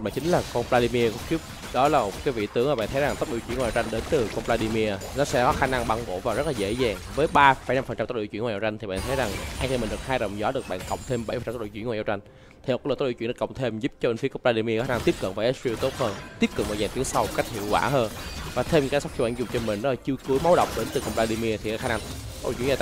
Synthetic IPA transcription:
ɓa̰ː˧˨˩t͡ɕï˨˦ŋ̟laː˨˩kɔ˧npla˧ɗi˧mi˧əkŋ͡mt̪i˦˥əp̚ | ɗɔ˨˦laː˨˩mo˨˩t̚kaː˨˦jvḭ˧˨t̪ɨ˨˦ŋʔaː˨˩ɓa̰ː˧˨nt̪ʰə˨˦jza˨˩ŋt̪ə˦˥ɗi˧˨t͡ɕwnŋwaː˨˩a˧t͡ɕa˧ŋɗe˨˦nt̪ɨ˨˩kɔ˧nplaː˧ɗi˧mi˧ənɔ˨˦sɛ̰˧˥kɔ˨˦xaː˧na˧ŋɓa˧ŋɓo̰˧˨vaː˨˩wzə˦˥t̚laː˨˩zḛ˧˥zaː˨˩ŋvəː˨˦jɓaː˧fəː˧˨˦jna˧mfə˨˩nt͡ɕa˧mt̪o˦˥ɗḭ˧˩t͡ɕwnŋwa˨˩a˨˩˧t͡ɕa˧jŋt̪ʰi˨˩ɓa̰ː˧˨nt̪ʰjza˨˩ŋʔaː˧ŋt͡ɕ̪ʰːmi˨˩ŋ̟ɗɨ˨˩k̚haː˧jɗə̰˨wŋ͡mzɔ˨˦ɗɨ˨˩ək̚ɓa̰ː˧˨nkə̰˨˧˨wŋ͡mt̪ʰe˧mɓə˧˩jfə˨˩˨a˧t̪̚ːɗ̰t͡ɕwwːa˨˩˧t͡ɕa˧jŋ̟ | t̪ʰi˨˩˨kːlːt̪̚ːɗi˧˨t͡ɕḭ˧˨ɗa˧kə˧˨wŋ͡mt̪ʰe˧mzu˦˥p̚t͡ɕɔ˧ɓe˧nfi˨˦kə˧ŋ͡mplaː˧i˧mi˧kːaː˧n˧ŋt̪i˦˥əp̚kə̰˧˨nvaː˨˩ʔe˦˥si˧t̪o˦˥t̚həː˧nt̪i˦˥əp̚kɨ˨˩k̚vaː˨˩zaː˨˩t̪i˨˦əŋsa˧wka˦˥jk̚hḭ˧˨əwkwa̰ː˧˩ɦəː˧nvaː˨˩t̪ʰe˧mkaː˨˦sa˦˥w̚xi˧ɓ̰ːnzʊ˨˩ŋ͡mt͡ɕɔ˧mï˨˩ŋɗɔ˨˦la˨˩t͡ɕɨ˧əkɨ˨˦əjma˨˦wɗə̰˧˨wŋ͡mɗe˨˦nt̪ɨ˨˩kə˧wŋ͡mplaː˧ɗi˧mi˧ət̪ʰi˨˩aː˨˦xaː˧na˧ŋt̪̚ːɗ̰t͡ɕḭː˧˨˩

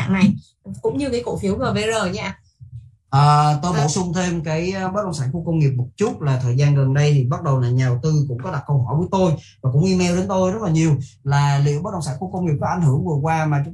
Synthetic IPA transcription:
ŋna˨˩j | kʊ̰˧˥ŋ͡mɲɨ˧kaː˨˦jko̰˧˨fi˨˩˦əwzəː˨˩ve˧˦zəː˨˩ɲa̰ː˧˥ | ʔəː˨˩t̪o˧jɓo˧˩sʊ˧ŋ͡mt̪ʰe˧mkaː˨˦jɓə˦˥ɗə˧˨ŋ͡msaː˧˥nku˧kə˧wŋ͡mŋi˨˩əp̚mə˨˩t̚t͡ɕʊ˦˥t̚laː˨˩t̪ʰəː˨˩jzaː˧nɣə˨˩nɗə˧jt̪ʰi˨˩ɓa˦˥t̚ɗə˨˩wlaː˨˩ɲa˨˩wt̪ɨ˧kʊ̰˧˥ŋ͡mkɔ˨˦ɗa˨˩kə˧wɦɔ˧˩jvəː˨˦jt̪o˧jvaː˨˩kʊ̰˧˥ŋ͡mʔi˧mɛ˧wɗe˨˦nt̪o˧jzə˦˥t̚laː˨˩ɲi˨˩əwlaː˨˩lḭ˧˨əwəː˨˦˥t̚ɗ̰ə˧˨ŋ͡msaː˧˥ŋku˧kə˧wŋ͡mŋi˨˩p̚kɔ˨˦ʔa˧˨jŋ̟hɦɨ˧˩əŋvɨ˨˩əkwaː˧maː˨˩t͡ɕʊ˨˦

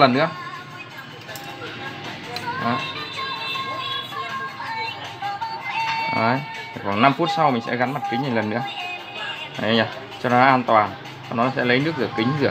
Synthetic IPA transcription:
lə˨˩nːɨ̰˧˥ə | ʔə̰ː˨˦j | ʔəː˨˦j | t̪ʰkwa˨˩ŋna˧mfu˦˥t̚sa˧wmï˨˩ŋ̟sɛ̰˧˥ɣa˨˦nma˨˩t̚ki˨˦ŋɲaː˨˩lə˨˩nːɨ̰˧˥ə | ʔə˨˦ɲaː˨˩ | t͡ɕɔ˧nɔ˨˦ʔaː˧nt̪waː˨˩n | t͡ɕɔ˧nɔ˨˦ɔ˨˦sɛ̰˧˥lə˨˦jnɨ˦˥ək̚zɨ˨˧˩kï˨˦ŋ̟zɨ˨˩ə

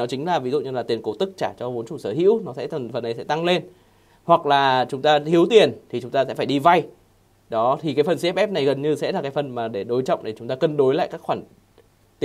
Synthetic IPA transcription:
nɔ˨˦t͡ɕï˨˦ŋ̟laː˨˩vi˨˦zṵ˧˨ɲɨ˧laː˨˩t̪i˨˩ənko˨˦t̪ɨ˦˥k̚t͡ɕaː˧˩t͡ɕɔ˧vo˨˦nt͡ɕu˨˧˩səː˧˩hḭ˧˥əwnɔ˨˦sɛ̰˧˥˨nfə˨˩nːa˨˩jsɛ̰˧˥t̪a˧ŋle˧n | hwa˨˩k̚laː˨˩t͡ɕʊ˨˦ŋ͡mt̪aː˧t̪ʰi˨˦əwt̪i˨˩ənt̪ʰi˨˩t͡ɕʊ˨˦ŋ͡mt̪aː˧sɛ̰˧˥faː˧˩jɗi˧va˧j | ɗɔ˨˦t̪ʰi˨˩kaː˨˦jfə˨˩nsɛ˦˥pʔɛ˦˥p̚na˨˩jɣə˨˩nɲɨ˧sɛ̰˧˥laː˨˩kaː˨˦fə˨˩nmaː˨˩ɗe˧˩ɗo˨˦jt͡ɕɔ̰˧˨wŋ͡mt̪ʰe˨˩t͡ɕʊ˨˦ŋ͡mt̪aː˧kə˧nɗo˨˦jla̰ː˧˨jkaː˦˥kxwaː˧˩n˨

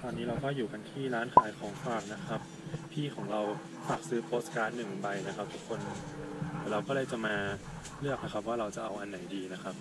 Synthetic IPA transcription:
t̪ɔː˧nːiː˦˥ɾa˧wkɔː˥˩juː˨˩ka˧nt̪ʰiː˥˩ɾaː˦˥nkʰaː˩˦jkʰɔː˩˦ŋfaː˨˩k̚na˦˥kʰa˦˥p̚pʰiː˥˩kʰɔː˩˦ŋɾa˧w | faː˨˩k̚sɯː˦˥pʰoː˦˥st̪kaː˧nːɯ˨˩ŋba˧jna˦˥kʰa˦˥p̚t̪ʰu˦˥kʰːo˧nʰ | aː˨˩˦ɾa˧wkɔː˥˩lɤː˧jt͡ɕa˨˩maː˧ | lɯ˥˩ək̚na˦˥kʰa˦˥p̚waː˥˩ɾa˧wt͡ɕa˨˩ʔa˧wʔa˧nːa˩˦jdiː˧na˦˥kʰa˦˥p̚

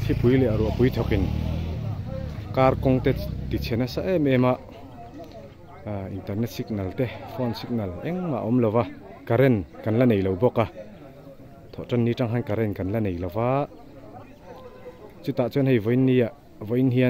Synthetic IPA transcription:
t̪ʰi˦pujlɛ˨aɾu˨˩˨pu˦jt̪ʰɔ˨ki˨n | ka˧rkɔŋt̪ɛt̪i˨t͡sʰɛ˨nasa˧ʔemɛma˧ʔ | i˨nt̪ɐ˨ɾrnɛ˦t̪̚si˧k̚nɐ˨lt̪ɛfʰɔ˧nsi˦k̚nɐ˨lɛŋma̰˨ʔɔ˦mlɔ˧wa | kaɾɛnka˨nlane˨jlɔ˨wbɔ˧ka˨ | t̪ʰɔ˨ʔʈ͡ʂa˧nːi˧ʈ͡ʂa˧ŋɦa˧nkaɾɛnkɐ˨nlɐne˨jlɔ˨wa˦ʔ | t͡sut̪a˨ʔt͡sɔnɦɛ˧jvɔ˨jnːi˧a˨ʔ | vɔ˨˦jnɦia

